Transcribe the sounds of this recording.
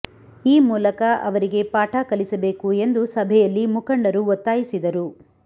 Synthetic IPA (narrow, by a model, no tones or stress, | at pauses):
iːmuːlɐkɐʔɐ̰ʋɐɾiɡe̞paːʈʰakɐlisɐbe̞ːkue̞nd̪usɐbʱɛjɐlːimukɐɳɖɐɾuot̪ːaːjisid̪ɐɾu